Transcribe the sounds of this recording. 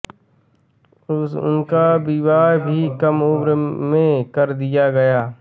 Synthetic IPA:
ʊ̰nkabɪwaːɾbʱikɐmʊːbɾmẽkɐɾd̪ɪjaɡɐjaː

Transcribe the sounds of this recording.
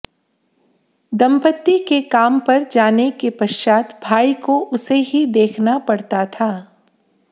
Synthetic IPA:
d̪ɐ̃mpət̪ːikekaːmpɐɾd͡ʒaːnekepɐʃʃaːt̪bʱaːikoʊseɦid̪eːkʰnapɐɽt̪at̪ʰaː

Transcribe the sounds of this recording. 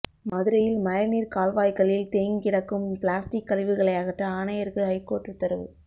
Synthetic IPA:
mɐðɯɾɐjɪlmɐjɐniːɾkaːlʋaːjkɐɭɪlt̪eːŋkɪɽɐkːɯmplaːsʈɪkːɐlɪʋɯɣɐɭɐɪɐɣɐʈːɐaːnɐjɐɾɣɯɦɐɪkːoːʈrɯt̪ːɐɾɯʋɯ̰

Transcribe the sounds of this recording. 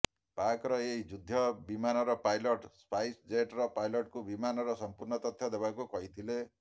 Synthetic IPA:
pakɾʌeid͡ʒud̪ʱːʌbimanʌɾʌpajloʈspajsd͡zeʈrʌpajlʌʈkobimanʌɾʌsʌmpurnʌt̪ʌt̪ʰːjʌd̪ebakokʌjt̪ʰile

